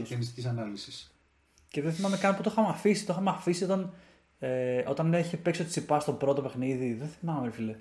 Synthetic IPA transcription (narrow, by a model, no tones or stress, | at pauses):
ienist̪icisɐnɐlisis | ceðeθimɐme̞kɐnput̪o̞xɐmeɐfisi̥t̪oxɐmeɐfisio̞t̪ɐn | eo̞̰t̪ɐneçepe̞ksiot̪i̥sipɐst̪o̞bɾo̞t̪o̞pe̞xniðiðeθimɐmefile